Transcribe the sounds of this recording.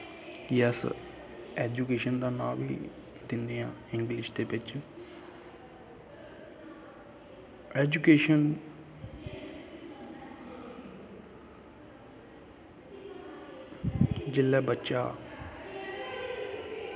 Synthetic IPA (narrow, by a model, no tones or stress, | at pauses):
jəs | ɛːd͡ʒukeːʃənd̪ãːnã̰ːʋḭː | d̪ɪnd̪eːã̰ːɪŋɡlɪʃd̪eːpɪt͡ʃ | ɛːd͡ʒukeːʃən | d͡ʒɪlːɛːbətːʃaː